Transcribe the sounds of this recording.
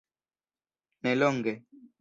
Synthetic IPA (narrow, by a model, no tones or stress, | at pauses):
nɛlɔŋɡɛ